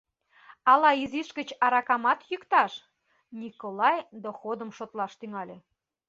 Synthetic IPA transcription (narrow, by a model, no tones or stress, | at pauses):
ɑlɑiziʃkə̆t͡ɕɑɾɑkɑmɑt̪jykt̪ɑʃ | nʲikolɑjd̪oxod̪əmʃot̪lɑʃt̪yŋɑlʲe